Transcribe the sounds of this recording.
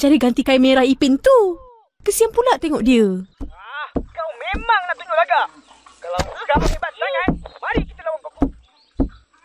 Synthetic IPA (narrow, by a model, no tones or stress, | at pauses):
d͡ʒaɾiɡant̪ikaimeɾahipɪnt̪u | kəsiampulaʔt̪eŋɔʔdiəakawmemaŋnaʔt̪uɲulaɡaʔ | kalawsəɡaʔamebat̪̚t̪aŋanmaɾikit̪əlawan̚kaku